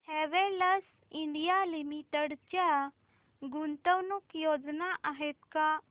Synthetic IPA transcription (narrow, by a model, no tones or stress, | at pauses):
hɛʋɛləs | iɳɖijalimiʈəɽt͡ʃa | ɡunt̪əwnukjod͡ʒnaʔaɦɛt̪ka